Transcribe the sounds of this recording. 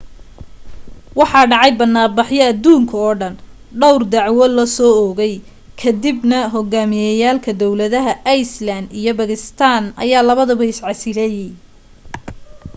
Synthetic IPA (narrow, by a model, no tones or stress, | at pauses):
wɑħɑːɖɑʕɑjbɐnːaːbɑħjɐːd̪uːŋkʰɐɔːɖɐn | ɖɔwrd̪ɑʕwɔlɐsɔːɔɣɛj | kʰɐd̪ɪbnɐɦɔɣaːmɪjɛjaːlkʰɐd̪ɔwlɐðɐɦɐʔjslɐnd̪ijɔbɐɣɪst̪ʰaːnɐ̰jaːlɐβɐðɐβɐɪsʕɑsɪɾɛj